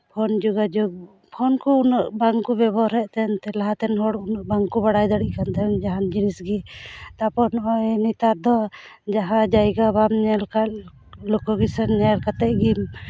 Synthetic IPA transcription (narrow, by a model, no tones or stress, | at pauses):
pʰɔnd͡ʒuɡad͡ʒɔɡ̚ | pʰɔnkuunəʔbaŋkubɛbɔɾɛʔt̪ɛnt̪ɛlaɦat̪ɛnɦɔɽunəʔbaŋkubaɽajd̪aɽiʔkant̪ɛnd͡ʒaɦand͡ʒinisɡit̪apɔnɔnit̪aɾd̪ɔ | d͡ʒaɦãd͡ʒajɡabamɲɛlka | lɔkɔɡisɛnɲalkat̪ɛʔɡim